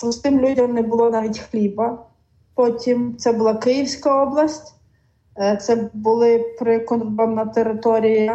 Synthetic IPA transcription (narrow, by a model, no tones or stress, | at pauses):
pɾʊst̪ɪmlʲudʲɐmnɛbʊlˠɔnaʋʲitʲxlʲibɐ | pɔtʲimt̪sɛbʊlˠɑkɪjiwsʲkɐɔblˠɐsʲtʲ | t̪sɛbʊlˠɪpɾɪkɔnbɐmɐt̪eɾɪt̪ɔɾʲijɐ